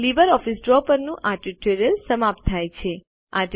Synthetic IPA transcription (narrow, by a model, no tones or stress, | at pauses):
libəɾɔfisɖɾɔpəɾnũʔaʈiʈoɾijəlsəmap̚t̪̚ʰːajt͡ʃʰe | aʈ